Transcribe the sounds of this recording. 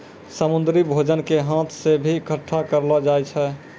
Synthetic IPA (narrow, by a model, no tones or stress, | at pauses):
səmund̪ɾibʱod͡ʒənkeɦãt̪ʰsebʱikʰəʈʰːakəɾlɔd͡ʒajt͡ʃʰɛ